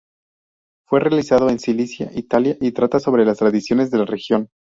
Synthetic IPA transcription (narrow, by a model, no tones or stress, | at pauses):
fwe̞realisað̞oe̞nsilisjaʔit̪aljaʔit̪ɾat̪aso̞β̞ɾe̞last̪ɾaðisjo̞nezðe̞lare̞xjo̞n